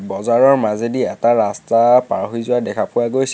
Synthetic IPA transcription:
bɔzaɹɔɹmazediɛtaɹastapaɹɦizʊadɛkʰapʊwaɡojs

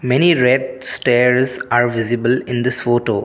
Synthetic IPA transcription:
mɛniɾɛɖ̚sʈeːɾzaːɾʋɪzɪbəlɪ̃nd̪ɪsfoːʈoː

